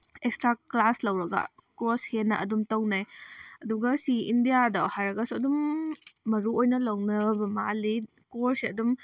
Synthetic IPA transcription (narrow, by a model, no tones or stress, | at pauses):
ekstɾaklaslɐwɾɐɡa̰kɾoshenɐʔɐ̰dumtɐwnajɐduɡɐsiːndijadɐwhaɾɐɡɐsuɐdumː | ɐɾuojnɐlɐwnɐbɐmali | koɾsiɐdum